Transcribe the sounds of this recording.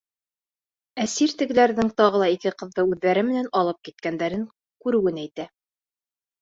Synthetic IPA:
æsiɾt̪ɘ̆ɡɘ̆læɾðɘŋt̪ɑʁɤ̆lˠɑikɘqɤ̆ðːɤʉðːæɾɘmɘ̆nænɑlˠɤp̚kit̪̚kænd̪æɾɘŋ | kʉɾɘ̆wɘnæjt̪æ

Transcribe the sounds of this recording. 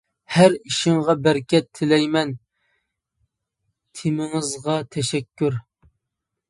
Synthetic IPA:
hæɾiʃɪŋʁɑbæɾkʲɛt̪ʰːɪlɛjmɛn | t̪ʰemɪŋɨzʁɑt̪ʰɛʃɛkʲʰːyɾ

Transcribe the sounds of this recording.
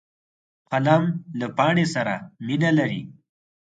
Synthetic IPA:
qalamlapɑɳesaɾaminalaɾi

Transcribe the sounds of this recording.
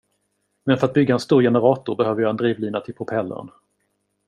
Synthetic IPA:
mɛnfœɾat̪̚bʏɡːaɛnst̪uːɾjɛnəɾɑːt̪ʊɾbɛhøːvəɾjɑɛnd̪ɾiːvliːnat̪ʰɪlpʰʊpʰɛlːə̰ɳ

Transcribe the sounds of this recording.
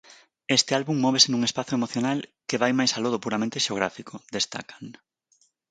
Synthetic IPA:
est̪ɪalβumːɔβesɪnũŋespaθoemoθjonalkeβajmajsaloð̞opuɾamẽnt̪eʃeoɣ̞ɾafikʰod̪est̪a̰kḁŋ

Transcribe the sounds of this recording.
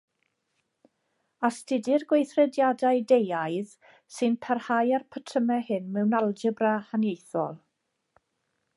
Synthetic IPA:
astɪdɪrɡwejθrɛdjadaɨdejajð | sɨnpʰarhajarpʰətʰəmɛhɨnmɛwnalˠd͡ʒəbrahanjejθɔ̰lˠ

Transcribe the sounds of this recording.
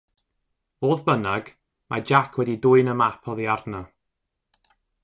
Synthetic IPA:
oːðbənaɡ̥ | mad͡ʒakʰwɛdidʊɨnəmapʰɔðiardna

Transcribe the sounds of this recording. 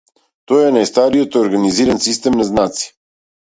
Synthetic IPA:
t̪ɔjɛnajst̪aɾijot̪oɾɡaniziɾansist̪ɛmnaznat̪si̥

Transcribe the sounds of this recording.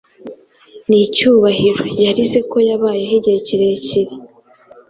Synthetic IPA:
nicuːβahiɾo̞jaɾizeko̞jaβaːjeɦiɟeciɾeciɾi

